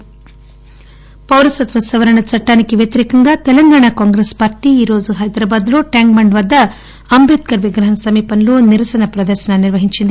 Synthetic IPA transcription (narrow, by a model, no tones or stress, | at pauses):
pɐwlɐsɐt̪ʋɐsɐʋɐɾɐɳɐt͡ʃɐʈːaːnikeʋjɐt̪ɐɾiːkɐŋɡaːt̪ɛlɐŋɡaːɳakaːŋɡɾespaːɾʈiiːɾo̞ːd͡ʒuɦɐjd̪ɾaːbaːd̪luʈjaːŋɡmɐɳɖʋɐd̪ːɐː | mbet̪̚kɐɾʋiɡɾɐɦɐnsɐmiːpɐnluniɾɐsɐnɐpɾɐd̪ɐɾʃɐnɐniɾʋɐɦiɲt͡ʃind̪i